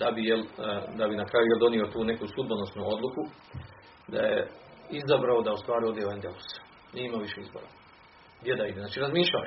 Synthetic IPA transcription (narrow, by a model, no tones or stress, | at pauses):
d̪abijeld̪abinakɾaːjujeld̪o̞nio̞t̪uːne̞kusud̪̚bonosnuo̞d̪lˠuku | d̪a̰jḛ | izabɾaod̪aust̪ʋaːɾiod̪jeʋand̪elus | niimaʋiʃeizbo̰ɾa̰ | ɡd̪je̞d̪aid̪eznat͡ʃiɾazmiːʃla̰